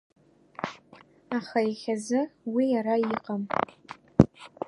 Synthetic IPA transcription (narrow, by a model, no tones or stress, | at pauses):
aχaiχʲazɨwijarajiqʼam